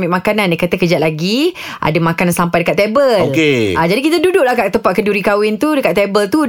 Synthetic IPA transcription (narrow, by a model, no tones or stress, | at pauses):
miʔmakanandikat̪akəd͡ʒat̪ʔ̪̚laɡi | ʔa̰damãkanansampajdəkat̪ebəokeʔad͡ʒadikit̪adudʊʔlahkaʔ̚t̪əmpaʔ̪̚kəduɾikawɪnt̪udəkat̪ebəlt̪u